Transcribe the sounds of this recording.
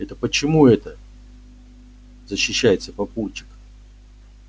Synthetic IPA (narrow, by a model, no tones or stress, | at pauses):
ɛt̪əpət͡ɕɪmuɛt̪ə | zəɕːɪɕːæjɪt̪səpɐpurt͡ɕɪ̥k